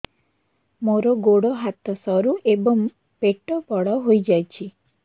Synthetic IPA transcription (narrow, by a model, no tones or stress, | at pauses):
moɾɔɡoɽɔɦat̪ɔsɔɾuʔebɔŋ | peʈɔpɔɽɔɦojd͡ʒajt͡ʃʰi